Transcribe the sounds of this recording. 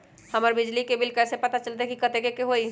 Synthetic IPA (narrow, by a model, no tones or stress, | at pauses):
hɐməɾbɪd͡ʒlikebɪlkɛːsepɐt̪at͡ʃəlt̪aekikɐt̪ekekeɦoːi